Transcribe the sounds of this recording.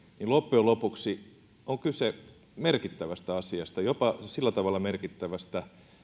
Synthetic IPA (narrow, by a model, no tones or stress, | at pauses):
nilopːeolopuksi | oŋkyse | merkit̪ːæʋæst̪æɑsiɑst̪ɑjopɑsilːæt̪ɑʋɑlːˑɑmerkit̪ːæʋæst̪æ